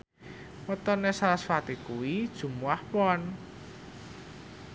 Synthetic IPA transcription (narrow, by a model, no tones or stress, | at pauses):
wɔt̪ɔnesaɾasfat̪ikuwid̥ʒ̥ṳmuahpɔn